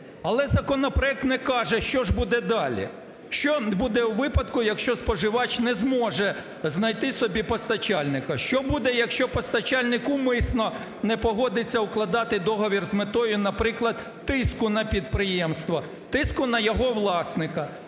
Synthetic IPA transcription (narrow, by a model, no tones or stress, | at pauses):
ɐlˠɛzɐkɔnɔpɾɔɛk̚t̪nɛkɑʒɛʃt͡ʃɔʒbud̪ɛd̪ɑlʲḭ | ʃt͡ʃɔbud̪ɛwʋɪpɐd̪kʊjɐkʃt͡ʃɔspɔʒɪʋɑt͡ʃnɛzmɔʒɛ | znɐjt̪ɪsɔbʲipɔst̪ɐt͡ʃɑlʲnɪkɐʃt͡ʃɔbud̪ɛjɐkʃt͡ʃɔpɔst̪ɐt͡ʃɑlʲnɪkʊmɪsnɔ | nɛpɔɦɔd̪ɪt͡sʲːɐʊklˠɐd̪ɑt̪ɪd̪ɔɦɔʋʲirzmet̪ɔjʊnɐpɾɪklˠɐd̪̚ | t̪ɪskʊnɐpʲid̪̚pɾɪjɛmst̪ʋɐ | t̪ɪskʊnɐjɔɦɔʋlˠɑsnɪkɐ